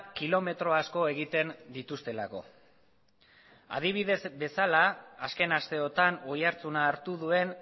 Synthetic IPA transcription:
kilo̞me̞t̪ɾo̞asko̞e̞ɣit̪e̞nd̪it̪ust̪e̞lako̞̰ | a̰ð̞iβ̞iðe̞zbe̞salaːske̞nast̪e̞o̞t̪ano̞jaɾt͡sunaːɾt̪uðue̞n

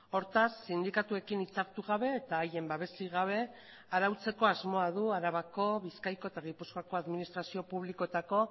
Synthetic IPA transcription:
o̞ɾt̪asːind̪ikat̪ue̞kinit͡saɾt̪uɣaβe̞ːt̪aːje̞mbaβ̞e̞siɣaβ̞e̞ | aɾawt͡se̞ko̞azmo̞að̞uaɾaβako̞βiskajko̞et̪aɣipuskoako̞aðminist̪ɾasio̞puβliko̞t̪ako̞

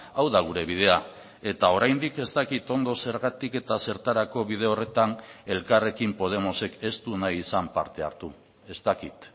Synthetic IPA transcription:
awðaɣ̞uɾe̞βið̞e̞a | e̞t̪ao̞ɾajnd̪ike̞st̪akit̪o̞nd̪o̞se̞ɾɣat̪ike̞t̪ase̞ɾt̪aɾako̞βiðe̞o̞re̞t̪ane̞lkare̞kimpo̞ð̞e̞mo̞se̞ke̞st̪unaisampaɾt̪e̞a̰ɾt̪u | e̞st̪akit̪

